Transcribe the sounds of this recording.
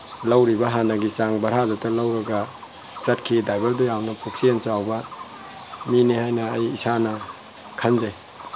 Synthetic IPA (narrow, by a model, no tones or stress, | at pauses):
lɐwɾibɐɦanɐɡisaŋbɐɾɦazatɐlɐwɾɐɡɐ | t͡ʃɐtkʰidajbeɾdujawnɐpʰuk̚siensawbɐ | minihajnɐːjisanɐ | kʰɐnze